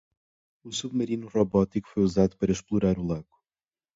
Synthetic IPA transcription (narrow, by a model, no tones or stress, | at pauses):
usuβmɐɾinuʁoβɔt̪iku̥fojuzad̪upɐɾɐʃplˠuɾaɾulˠaɡu̥